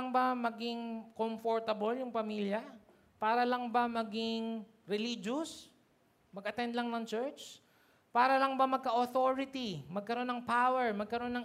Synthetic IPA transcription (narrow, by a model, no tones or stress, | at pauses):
ŋbɐmɐɡɪŋkomfoɹt̪ɐboljʊŋpɐmiljɐ | paːɾɐlɐŋbɐmɐɡɪŋ | ɾɛlid͡ʒos | mɐɡʔɐt̪ɛnd̪lɐŋnɐŋt͡ʃɛɹt͡ʃ | paːɾɐlɐŋbɐmɐɡ̚kɐʔoθoɾɪt̪imɐɡ̚kɐɾo̞nːɐŋpawɛɹmɐɡ̚kɐɾo̞nːɐŋ